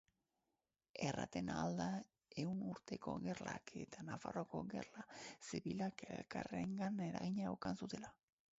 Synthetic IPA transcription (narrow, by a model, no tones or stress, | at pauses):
era̰t̪e̞nald̪a | e̞unuɾt̪e̞ko̞̰ɣe̞rla̰kʰe̞t̪anafaroko̞̰ɣe̞̰rlasiβilakelkare̞ŋɡane̞ɾaɣiɲaewkansut̪e̞la